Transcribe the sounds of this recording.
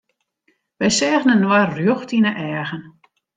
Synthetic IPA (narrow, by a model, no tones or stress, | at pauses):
ʋɛjsɛːɣnənːwarjoxtinəʔɛːɣən